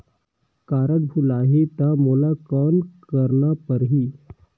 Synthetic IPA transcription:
kaɾət̪̚bʱulaɦet̪amolakɔːnkəɾɳapəɾɦiː

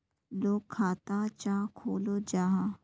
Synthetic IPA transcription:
loːkkʰːaːt̪at͡ʃaːkʰoːlod͡ʒaːɦa

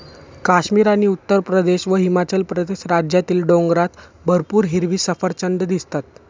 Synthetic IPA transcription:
kaɕmiːɾaɽ̃iut̪ːəɾpɾəd̪eɕʋəɦimat͡ɕəlpɾəd̪eɕɾad͡ʑjat̪iːlɖõŋɡɾat̪bʱəɾpuːɾɦiɾʋiːsəfəɾt͡ɕəɳɖ̪d̪ist̪at̪̚

